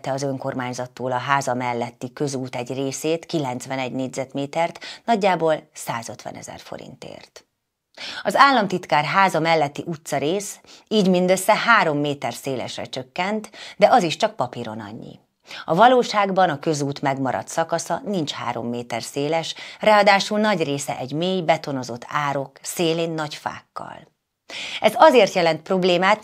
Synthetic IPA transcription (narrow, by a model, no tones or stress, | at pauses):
t̪ɛɒzø̞ŋko̞rmaːɲzɒt̪ːoːlɒɦaːzɒmɛlːɛt̪ːikø̞zuːt̪ɛɟreːseːt̪kilɛnt̪sʋɛnɛɟneːɟzɛt̪meːt̪ɛrt̪nɒɟːaːboːlsaːzø̞t̪ʋɛ̰nɛ̰zɛ̰rfo̰ɾḭnt̪ḛːrt̪ | ɒzaːlːɒmt̪it̪kaːrɦaːzɒmɛlːɛt̪ːiʔut̪sɒɾeːsiːɟmind̪øsːɛhaːɾo̞mːeːt̪ɛrseːlɛ̰ʃrɛ̰t͡ʃø̞kːɛnt̪d̪ɛʔɒziʃt͡ʃɒk̚pɒpiɾo̞̰nɒ̰ɲːḭ | ɒvɒloːʃaːɡbɒnɒkø̞zuːt̪mɛɡmɒɾɒ̰t̪sɒkɒsɒnint͡ʃha̰ːɾo̞̰mːeːt̪ɛrseːlɛʃrɛɒd̪aːʃulnɒɟreːsɛ̰ʔɛɟmeːjbɛt̪o̞nozo̞t̪ʰːaːɾo̞kseːleːnːɒcfa̰ːkːɒ̰l | ɛzɒzeːrt̪jɛlɛnt̪̚pro̞bleːmaːt̪